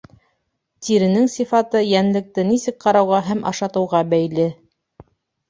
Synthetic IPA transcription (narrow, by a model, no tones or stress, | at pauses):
t̪iɾɘ̆nɘŋsifɑt̪ɤjænlɘ̆k̚t̪ɘnisɘk̚qɑɾɑwʁɑɦæmʔɑ̰ʃɑt̪ɤ̆wʁɑbæjlɘ